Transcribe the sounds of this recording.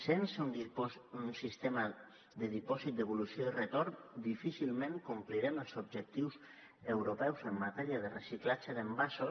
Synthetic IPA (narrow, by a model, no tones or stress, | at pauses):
sensununsist̪ema | d̪əðipɔzit̪̚d̪əβ̞ulusjoirət̪oɾnd̪ifisilˠmẽŋkumpliɾɛməlˠzob̚ʒək̚t̪iws | əwɾopɛwzəmːat̪ɛɾiað̞ərəsiklat͡ʃəðəmbaso